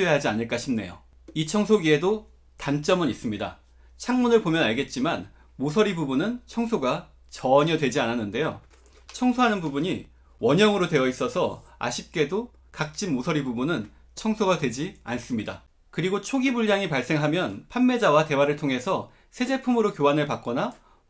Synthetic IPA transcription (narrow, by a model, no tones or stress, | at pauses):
eɦad͡ʑianɯɭk͈aɕʰimne̞̰jo̰ | it͡ɕʰʌŋsʰoɡie̞do | tant͡ɕ͈ʌmɯnis͈ɯmɲida̰ | t͡ɕʰaŋmunɯɭpomjʌnaɭɡe̞t̚t͡ɕ͈iman | mosʰʌɾibubunɯnt͡ɕʰʌŋsʰoɡa | t͡ɕʌɲʌdwe̞d͡ʑiananːɯnde̞jo | t͡ɕʰʌŋsʰoɦanɯnbubuɲi | wʌɲʌŋɯɾodwe̞jʌis͈ʌsʰʌa̰ɕʰip̚k͈e̞do | kak̚t͡ɕ͈imːosʰʌɾibubunɯn | t͡ɕʰʌŋsʰoɡadwe̞d͡ʑians͈ɯmɲida̰ | kɯɾiɡot͡ɕʰoɡibuɭd͡ʑaŋipaɭs͈e̞ŋɦamjʌnpʰanmːe̞d͡ʑawate̞waɾɯɭtʰoŋɦe̞sʰʌ | sʰe̞d͡ʑe̞pʰumɯɾokjoanɯɭpak̚k͈ʌna